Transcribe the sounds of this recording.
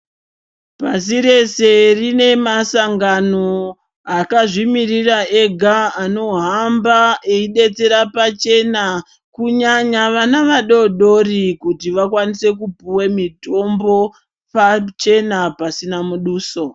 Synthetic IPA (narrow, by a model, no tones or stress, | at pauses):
pas̬iɾe̞se̞rine̞masaŋɡano | akaʐimirirae̞ɡʱaano̞ɦambaeiɗe̞t͡se̞ɾapat͡ʃe̞na | kuɲaɲaʋanaʋaɗo̞ɗo̞rikutiʋakwanise̞kupuwemito̞mbo̞ | pat͡ʃe̞napasinamuɗuːso̞